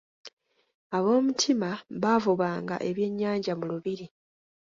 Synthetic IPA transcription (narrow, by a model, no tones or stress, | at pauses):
aβo̞ːmutʰimaβavuβaːŋɡa̰ʔe̞βje̞ɲːaːɲɟamuluβiɾi